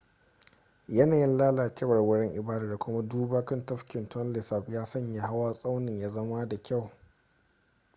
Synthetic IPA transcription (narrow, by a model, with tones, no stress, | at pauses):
jɐ˦naː˨jɪ˦nlaː˦laː˨kʲɛ˦wɐ˨rwɐ˦ɽɛ˦ŋʔɪ˨baː˦da˨da˨kʷʊ˦ma˦duː˦baː˦kɐ˦ntɐ˦ɸkʲɪ˨ntɔ˦nlɪ˨sa˦˨ɸjaː˦sɐ˦˨ɲja˦ɦa˦waː˦sʼa˦wnɪ˨ɲjaː˦zɐ˦ma˦da˨kʲa˦˨w